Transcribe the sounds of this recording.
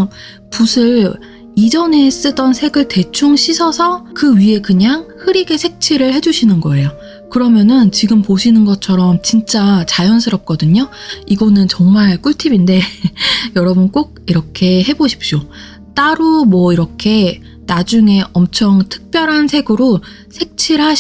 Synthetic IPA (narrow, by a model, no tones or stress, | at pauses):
pusʰɯɭ | id͡ʑʌne̞s͈ɯdʌnsʰe̞ɡɯɭte̞t͡ɕʰuŋɕʰisʰʌsʰʌkɯɥie̞kɯɲaŋhɯɾiɡe̞sʰe̞k̚t͡ɕʰiɾɯɭhe̞d͡ʑuɕʰinɯnɡʌe̞jo | kɯɾʌmjʌnɯnt͡ɕiɡɯmpoɕʰinɯnɡʌt͡ɕʰʌɾʌmt͡ɕint͡ɕ͈at͡ɕajʌnsʰɯɾʌp̚k͈ʌdɯɲoiɡʌnɯnt͡ɕʌŋmaɭk͈ʰuɭtʰibinde̞jʌɾʌbɯnk͈oɡ̚iɾʌkʰe̞ɦe̞boɕʰi̥p̚ɕ͈o | t͈aɾomwʌiɾʌkʰe̞ | nad͡ʑuŋe̞ʔʌmt͡ɕʰʌŋtʰɯ̥k̚p͈jʌɾɦansʰe̞ɡɯɾo | sʰe̞k̚t͡ɕʰiɾɦa